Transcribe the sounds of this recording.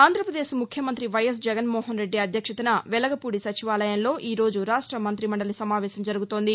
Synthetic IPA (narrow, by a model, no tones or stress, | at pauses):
aːnd̪ʱɾɐpɾɐd̪eːʃmukʰjɐmɐnt̪ɾiʋɐjɐs̬d͡ʒɛɡɐnmɔːɦɐnɾe̞ɖːiɐd̪ʱjɐkʂɐt̪ɐnɐʋɛlɐɡɐpuːɽisɐt͡ʃiʋaːlɐjɐnlo̞ːʔiːɾo̞ːd͡ʒuɾaːʂʈɾɐmɐnt̪ɾimɐɳɖɐlɐsɐmaːʋɛːʃɐmd͡ʒɐɾuɡut̪o̞ːnd̪i